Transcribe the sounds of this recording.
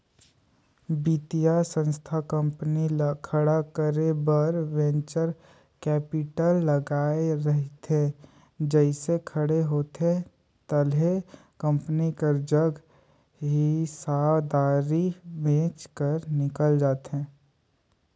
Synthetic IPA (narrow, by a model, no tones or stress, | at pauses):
bit̪ijasə̃nst̪ʰakə̃mpənilakʰəɽakəɾebəɾʋẽnt͡ʃəɾ | kɛːpɪʈəlːəɡaːeɾəɦt̪ẽ | d͡ʒɛɪsekʰəɽeɦoːt̪ẽ | t̪əlɦe | kə̃mpnikəɾd͡ʒəɡ | ɦɪisaːwd̪aːɾibẽːt͡ʃkəɾnɪkəld͡ʒaːt̪ɦɛ̃ː